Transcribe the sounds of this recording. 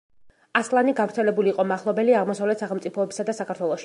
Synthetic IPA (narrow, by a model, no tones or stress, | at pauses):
aslˠaniɡavɾt̪sʰɛlɛbuliːqʼɔmaχlˠɔbɛliaʁmɔsavlɛt̪saχɛlˠmt̪sʼipʰɔɛbi̥sad̪asakʰaɾt̪ʰwɛlˠɔʃi̥